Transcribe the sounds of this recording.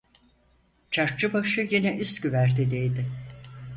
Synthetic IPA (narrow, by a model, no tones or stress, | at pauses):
t͡ʃʰaɾt͡ʃɯbaʃɯjinɛʔyst̪ɟyvæɾt̪ʰɛd̪ejd̪ɪ